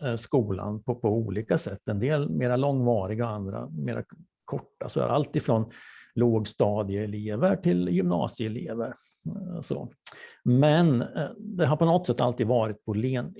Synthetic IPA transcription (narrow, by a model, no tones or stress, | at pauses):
skuːla̰npʰɔpʰɔuːliːkasɛt̪ːɛnd̪eːlmeːɾalɔŋːvɑːɾɪɡɔand̪ɾa̰meːɾa̰ | kʰɔʈːa̰sɔ̰ɾalt̪ʰiːd̪fɾɔnloːɡst̪ɑːd̪ɪəɛleːvəɾʈʰɪljʏmnɑ̰ːsɪɛleːvəɾ | so̰ː | mɛnd̪ɛɦaɾpɔnɔt̪ːsɛt̪ːa̰lt̪iːd̪vɑːɾɪt̪̚pʰɔleːn